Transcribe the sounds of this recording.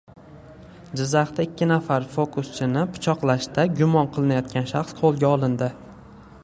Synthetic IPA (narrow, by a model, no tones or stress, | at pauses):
d͡ʒɪzːaχt̪aɪkʲːɪnafaɾfokʊst͡ʃʰɪnɪpʰʊ̥t͡ʃʰɒqlˠaʃt̪aɡʲʊmɒnqʰɨlˠɪnajɒt̪kʲanʃaχsqʰolˠɡʲaɒlˠɪnd̪ɪ